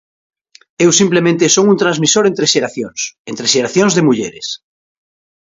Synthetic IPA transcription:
ewsimplemẽnt̪esoŋunt̪ɾãnzmisoɾẽnt̪ɾeʃeɾaθjõŋsent̪ɾeʃeɾaθjõŋzðemuʎḛɾes

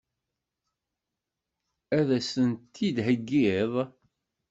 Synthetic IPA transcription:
æðæsənt̪ːid̪ɦəɡːiðˤ

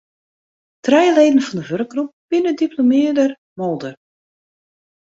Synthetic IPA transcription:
trɛjəleːdən̩fɔndəvørək̚ɡrup̚b̥ɪnədiplomɪədər | mɔlˠdər

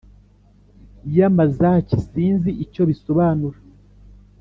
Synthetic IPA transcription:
jamazacisiːnziʔico̞βiso̞βaːnuɾa

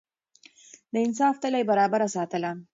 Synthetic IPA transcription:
d̪əɪnsɑft̪əlajbaɾɑbaɾasɑt̪əla

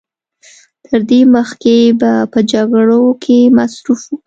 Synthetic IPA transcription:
t̪ʰəɾd̪eməxkebapəd͡ʒaɡɽokʰemasɾufuk

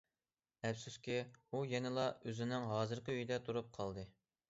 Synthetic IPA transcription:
ɛfsuskʲiujɛnɪlˠɑøzɪnɪŋɦɑːzɨɾqəøjd̪ɛt̪ʰuɾup̚qʰɑlˠd̪ɨ

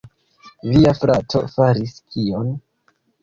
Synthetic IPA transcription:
viafɾato̞̰faɾiskʰion

